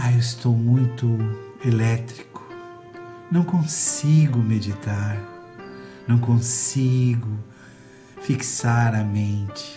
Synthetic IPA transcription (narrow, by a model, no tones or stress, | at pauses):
aewɪst̪owmũj̃t̪ʊelɛt̪ɾikʊ̥ | nɐ̃w̃kõsiɡʊmed͡ʒit̪aɾ | nɐ̃w̃kõsiɡʊ | fiksaɾɐmẽnt͡ʃɪ̥